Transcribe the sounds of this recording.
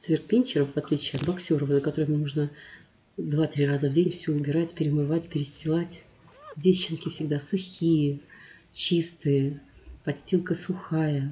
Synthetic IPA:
t̪svʲɪrk̚pʲenʲt͡ɕɪɾəfvɐt̪lʲit͡ɕɪɐt̪bɐksʲo̞ɾəfzəkɐt̪o̞ɾəmʲnuʐnə | d̪vat̪ɾʲirazəvdʲenʲfsʲuʊbʲɪɾatʲpʲɪɾʲɪmɨvatʲpʲɪɾʲɪsʲtʲɪlˠatʲ | dʲesʲt͡ɕːɪnkʲɪfsʲɪɡd̪asʊxʲijə | t͡ɕist̪ɨjəpɐsʲtʲilˠkəsʊxajə

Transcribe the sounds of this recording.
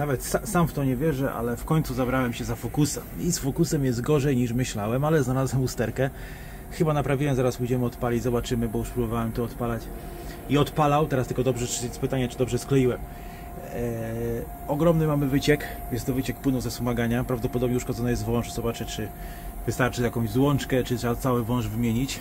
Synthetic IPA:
navɛt̪sasamft̪ɔɲɛvʲjɛʐɛʔa̰lɛfkɔɲt̪suzabɾawɛmɕɛzafɔkusɛmisfɔkusɛmjɛzd̪̚ɡɔʐɛjɲiʂmɘɕlawɛmalɛznalazwɛmust̪ɛɾkɛ | xɘbanapɾavʲiwɛmzaɾasbud͡ʑɛmɘɔt̪palʲid͡ʑzɔbat͡ʂɘmɘbɔjuʂpɾubɔvawɛmt̪ɔɔt̪palat͡ɕ | iɔt̪palawt̪ɛɾast̪ɘlkɔd̪ɔbʐɛɘɛspɘt̪aɲɛt͡ʂɘd̪ɔbʐɛsklɛjiwɛm | ɔɡɾɔmnɘmamɘvɘt͡ɕɛk | jɛst̪ɔvɘt͡ɕɛkpwɘnɔ̃wzɛsumaɡaɲapɾavd̪ɔpɔd̪ɔbɲɛuʂkɔdzɔnɔjɛst̪vɔ̃w̃ʂz̥ɔbat͡ʂɘt͡ʂɘ | vɘst̪aɾt͡ʂɘjakɔ̃w̃ʑzwɔnt͡ʂkɛt͡ʂɨt̪ʂɛbat̪sawɘvɔ̃w̃ʐvɘmʲjeɲit͡ɕ

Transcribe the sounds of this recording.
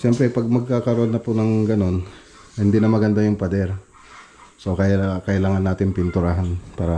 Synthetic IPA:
ʃɛmpɾɛpɐɡ̚mɐɡ̚kaːkɐɾoʔonːɐpʊnɐŋɡɐno̞n | hɪnd̪inɐmɐɡɐnd̪ajʊŋpɐd̪ɛɾ | sokɐjkɐʔɪlaːŋɐnːaːt̪ɪnpɪnt̪ʊɾaɦanpaːɾɐ

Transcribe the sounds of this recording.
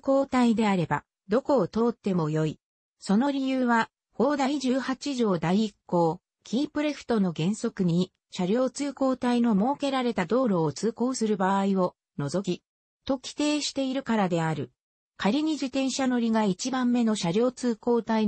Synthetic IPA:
ko̞ːt̪aid̪e̞aɾe̞ba̰ | d̪o̞ko̞ːt̪o̞ːt̪ːe̞mo̞jo̞i | so̞no̞ɾʲijɯːβa | ho̞ːd̪aiʑɨːhat͡ɕiʑo̞ːd̪aiːkːo̞ː | kʲʰiːpɯ̟ɾe̞ɸɯ̟̥t̪o̞no̞ɡẽ̞ɰ̃so̞kɯ̟ɲ̟i | ɕaɾʲo̞ːt͡sɨːko̞ːt̪aino̞mo̞ːke̞ɾaɾe̞t̪ad̪o̞ːɾo̞ːt͡sɨːko̞ːsɨɾɯ̟baːio̞ | no̞zo̞kʲi | t̪o̞kʲi̥t̪e̞ːɕi̥t̪e̞iɾɯ̟kaɾad̪e̞aɾɯ̟ | kaɾʲiɲ̟id͡ʑit̪ẽ̞ɰ̃ɕano̞ɾʲiɡait͡ɕibãmːe̞no̞ɕaɾʲo̞ːt͡sɨːko̞ːt̪ai

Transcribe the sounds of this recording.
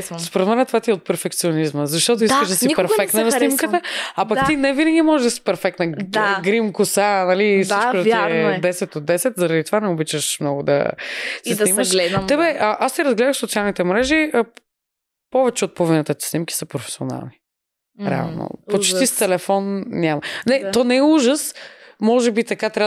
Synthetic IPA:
spoɾɛt̪mɛnɛt̪ovat̪iɛot̪̚pɛɾfɛkt̪sionizməzɐʃt̪ɔt̪oiskəʒd̪ɐsipɛɾfɛkkt̪nənɐsnimkətt̪əapɐkt̪inɛvinəɡʲimɔʒɛʒd̪ɐsi̥pɛɾfɛk̚t̪nəɡɾimkʊsanɐlifsit͡ʃkʊd̪ɛd̪ɛsɛt̪od̪ːɛsɛt̪zɐɾɐd̪it̪ovanɛobit͡ʃəʃmnɔɡʊd̪ɐ̰sɛsiməʃt̪ɛbɛʔəʔast̪ːiɾɐzɡlɛd̪əʃsot̪sialˠnit̪ɛmɾɛʒiə | pɔvɛt͡ʃɛot̪̚povinət̪ət̪ɛ̥snimkʲi̥səpɾofɛ̥sio̰na̰lˠni | ɾɛ̰a̰lˠno̰pot͡ʃt̪ist̪ɛlɛfɔnnʲamɐnɛɔnɛɛuʒəsmɔʒɛbit̪ɐkat̪ɾa

